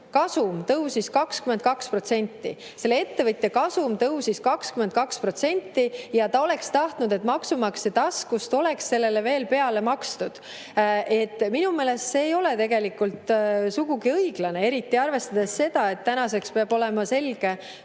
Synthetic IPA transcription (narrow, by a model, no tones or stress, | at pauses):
kɑsumt̪ɤwsiskɑkskyment̪̚kɑkspro̞t̪se̞nʲt̪ːˑḭ | se̞lːee̞t̪ːe̞vɤt̪ʲːˑekɑsumt̪ɤwsiskɑkskymend̪̚kɑkspro̞t̪se̞nʲt̪ːˑijɑt̪ɑo̞le̞kst̪ɑht̪nud̪e̞t̪mɑksumɑkset̪ɑskust̪o̞le̞ksːe̞lːe̞le̞ve̞ːlpe̞ɑle̞mɑkst̪ud̪̥ | e̞t̪ːminume̞ːle̞st̪se̞ːjo̞le̞t̪e̞ɡ̥e̞likːult̪suɡ̥uɡiɤiɡ̥lɑne̞e̞ɾit̪ːˑiɑrve̞st̪ɑd̪e̞sse̞d̪̥ɑe̞t̪ːænɑse̞kspeɑbo̞lemɑse̞lɡ̥e̞